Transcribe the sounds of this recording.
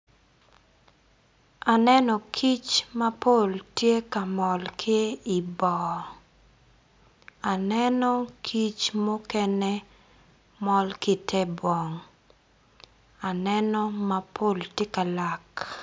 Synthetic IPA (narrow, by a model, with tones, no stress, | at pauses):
a˨nɛ˦nɔ˨kʰi˦t͡ʃma˦po˦˨ltje˦ka˨mɔ˨lkʰɪ˦i˨bɔ˨ | a˨nɛ˦nɔ˦kʰi˦t͡ʃmo˦kɛnɛ˦ | mɔ˦lkɪ˦˨tʰɛ˦bɔ˨ŋ | a˨nɛ˦nɔ˦ma˦pʰo˦˨ltje˦ka˨la˨k